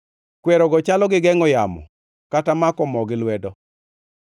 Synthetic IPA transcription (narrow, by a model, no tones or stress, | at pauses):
kwɛɾɔɡɔt͡ʃalɔɡɪɡɛŋɔjamɔ̰ | katamakɔmɔɡɪlwɛdɔ